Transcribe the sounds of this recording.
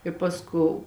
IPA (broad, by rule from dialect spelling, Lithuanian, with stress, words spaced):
ɪ ˈpɑːsˌkoːʊ